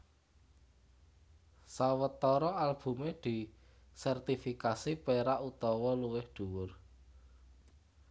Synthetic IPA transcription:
sawət̪ɔɾɔalb̥ṳmed̪̥i̤ | sɛrt̪ifikasipeɾaʔut̪ɔwɔluwɪhɖ̪̥ṳwʊr

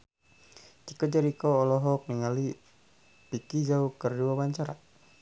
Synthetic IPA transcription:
t͡ʃikəd͡ʒaɾikɔːlɔɦɔk̚niŋali | pikid͡ʒaukərduawaɲt͡ʃaɾa̰

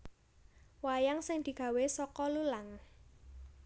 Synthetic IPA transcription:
wajaŋsɪŋd̪̥i̤ɡ̥ä̤wesɔkɔlulaŋ

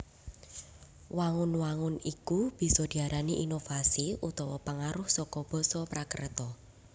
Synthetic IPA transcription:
waŋʊnwaŋʊnikub̥i̤sɔd̪̥i̤aɾaniʔinofasiut̪ɔwɔpaŋaɾʊhsɔkɔb̥ɔ̤sɔpɾakə̰rt̪ɔ

